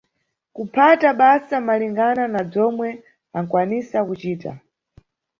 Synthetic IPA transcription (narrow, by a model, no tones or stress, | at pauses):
kupʰataɓasamaliŋɡananab͡ʐɔmwɛ | aŋ̩kwanisakut͡ʃiːta̰